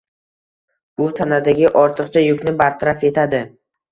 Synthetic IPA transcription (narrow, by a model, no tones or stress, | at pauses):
ʊt̪ʰanad̪aɡʲɪʔɒɾt̪ʰɨqt͡ʃʰajʊkʲnɪbaɾt̪ʰaɾafe̞t̪ʰad̪ɪ